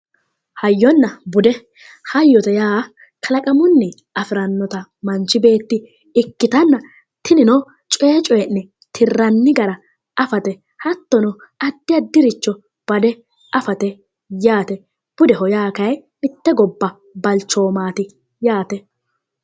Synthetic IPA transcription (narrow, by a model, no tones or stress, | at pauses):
hɐjːɔnːɐbʊd̪ɛ | hɐjːɔt̪ɛjaː | kʰɐlɐkʼɐmʊnːɪ | ɐfɪɾɐnːɔt̪ɐmɐnt͡ʃːɪbe̞ːt̪ːɪ | ɪkːɪt̪ɐnːɐ | t̪ʰɪnɪnɔ | t͡ʃʼɛːt͡ʃʼɔjɛnːɛ | t̪ʰɪrːɐnːɪɡɐɾɐ | ɐfɐt̪ɛ | hɐt̪ːɔnɔ | ɐd̪ːɪɐd̪ɪɾɪt͡ʃːɔ | b̥ɐd̪ɛ | ɐfɐt̪ɛ | jaːt̪ɛ | b̥ʊd̪ɛɦɔjaːkɐjmɪt̪ːɛɡɔbːɐ | bɐlt͡ʃːo̞ːmaːt̪ɪ | jaːt̪ɛ